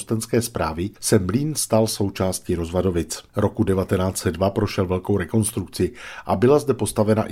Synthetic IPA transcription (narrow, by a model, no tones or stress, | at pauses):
st̪ɛnskɛːspɾaːvɪsɛmliːnst̪also̞wt͡ʃaːst̪cɪɾo̞zvado̞vɪt͡sɾo̞kudɛvat̪ɛnaːt͡sɛdvapɾo̞ʃɛlvɛlko̞wɾɛko̞nst̪ɾuk̚t͡sɪʔabɪlazdɛpo̞st̪avɛna̰ʔ